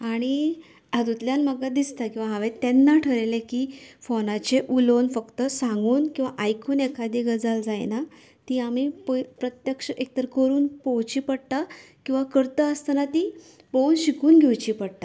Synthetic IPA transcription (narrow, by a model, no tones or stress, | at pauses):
aɽ̃i | əd̪ut̪ljalməɡad̪ist̪akĩw̃ʋaɦaʋet̪enːaʈʰəɾelekifonat͡ɕeʔulonfəkt̪əsãŋɡuːnkĩw̃ʋaʔajkʰuːnekad̪iːɡəd͡zald͡zajna | t̪iamipəpɾət̪jəkʂəʔek̚t̪əɾəkəɾuːnpowt͡ɕiːpəɽt̪akĩw̃ʋakəɾt̪əəst̪ənat̪i | pownɕikuːnɡʱewt͡ɕiːpəɽt̪a